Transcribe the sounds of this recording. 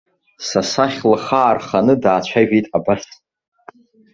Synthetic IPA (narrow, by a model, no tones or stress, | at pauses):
sasaχʲlaχaːrχanɨdaːt͡ɕʷʰaʒᶣejtʼabastʰʼ